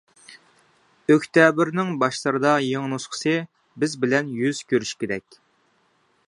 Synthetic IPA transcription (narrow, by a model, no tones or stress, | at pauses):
økʲt̪ɛbɪɾnɪŋbɑʃlˠəɾɨd̪ɑjeŋnusqʰə̥sɨ | bɪzbɪlɛnjyz̥kʲʰøɾyʃkʲed̪ɛkʲ